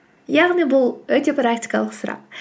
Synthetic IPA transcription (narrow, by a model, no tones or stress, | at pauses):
jɑʁnijbʊlˠwɵt̪e̞prakt̪i̥jkɑlˠəqsʊɾɑ̰q̚